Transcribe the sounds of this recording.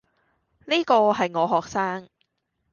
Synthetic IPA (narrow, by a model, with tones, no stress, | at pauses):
niː˥kɔː˧ɦɐ˨jŋɔː˨˧ɦɔː˨k̚saː˥ŋ